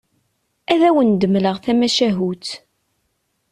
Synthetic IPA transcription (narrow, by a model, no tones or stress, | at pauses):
æðæwənd̪əmləʁθæmæʃæɦut̪